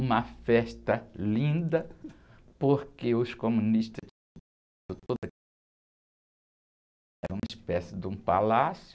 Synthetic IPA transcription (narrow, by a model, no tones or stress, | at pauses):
ũmɐfɛʃt̪ɐlĩd̪ɐ | poɾkeʊskomũniʃt̪ɐ | d̪ʊt̪od̪ɐ | ɛɾɐ̃ũmɐispɛsɪd̪ɪũpa̰lasj